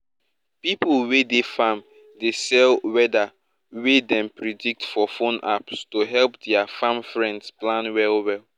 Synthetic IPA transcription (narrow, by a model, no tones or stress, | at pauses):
pipulwedefãm | desɛlwɛda | wedɛ̃mpɹidik̚tfɔfõna̰pstoɦɛlpdɛafãmfɹɛ̃ndsplãnwɛlwɛlˠ